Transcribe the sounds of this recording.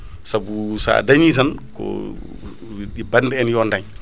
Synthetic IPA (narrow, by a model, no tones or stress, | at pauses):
sabusa̰daɲit̬ankɔ̰ | ɗibandɛɛnjɔndaɲ